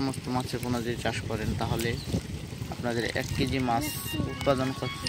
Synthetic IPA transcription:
ɔmost̪omat͡ɕʰepunad̪iɾt͡ɕaʃkɔɾent̪aɦole | apnad̪eɾɛ̰kːid͡ʑimasut̪̚pad̪onkoɾ

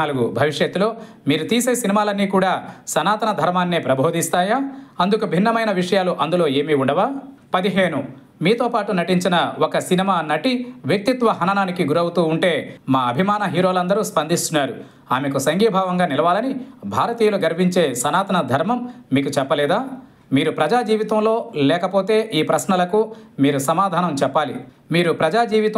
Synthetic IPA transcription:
aːluɡubʱɐʋiʂjɐt̪ːulo̞ː | miːɾut̪iːseːsinimaːlɐnːiːkuːɽaːsɐnaːt̪ɐnɐd̪ʱɐɾmaːnːipɾɐbʱo̞ːd̪ist̪aːjaːɐnd̪ukubʱinːɐmɐjnɐʋiʂɐjaːluʔɐnd̪ulo̞ːe̞ːmiuɳɖɐʋaː | pɐd̪iɦe̞ːnu | miːt̪o̞ːpaːʈunɐʈiɲt͡ʃinɐokɐsinimaːnɐʈiʋjɐk̚t̪it̪ʋɐɦɐnɐnaːnikiɡuɾɐwut̪uːɳʈe̞ːmaːɐbʱimaːnɐɦiːɾo̞ːlɐnd̪ɐɾuːspɐnd̪ʱist̪unaːɾu | aːmekusɐŋɡijɐbʱaːʋɐŋɡaːnilɐʋaːlɐnibʱaːɾɐt̪iːjɐluɡɐɾbʱiɲt͡ʃe̞ːsɐnaːt̪ɐnɐd̪ʱɐɾmɐmːiːkut͡ʃɛpːɐlɛːd̪aː | miːɾupɾɐd͡ʒaːd͡ʒiːʋit̪ɐmlo̞ːlɛːkɐpo̞ːt̪e̞ːʔiːpɾɐsnɐlɐkuːiːɾusɐmaːd̪ʱaːnɐmt͡ʃɛpːaːlḭ | miːɾupɾɐd͡ʒaːd͡ʒiːʋit̪ɐ

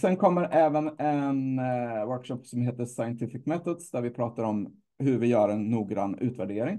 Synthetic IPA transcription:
sɛnkʰɔmːəɾʔɛːvənɛnwœɾkʂɔpːsɔmheːt̪əʂajənt̪ʰɪfɪkmɛt̪ɔd̪sd̪æɾvɪpʰɾɑːt̪aɾɔm | hɵɾvɪjœːɾɛnːuːɡɾa̰nːʔʉ̟ːt̪væɖeːɾɪŋ

